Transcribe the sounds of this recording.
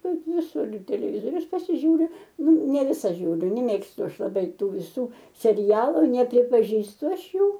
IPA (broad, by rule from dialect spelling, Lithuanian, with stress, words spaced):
ˈkɐt ʋʲɪˈsʊr ɪr tʲɛlʲɛˈʋʲɪzoːrʲʊs pɐsʲɪˈʒʲuːrʲʊ ˈnʊ nʲɛ ˈʋʲɪsɐ ˈʒʲuːrʲʊ nʲɛ mʲɛˈmʲeːkstʊ ˈɐʃ lˠɐˈbɐɪ ˈtuː ʋʲɪˈsuː sʲɛˈrʲæːlˠʊ nʲɛpʲrʲɪpɐˈʒʲiːstʊ ˈɐʃ ˈjuː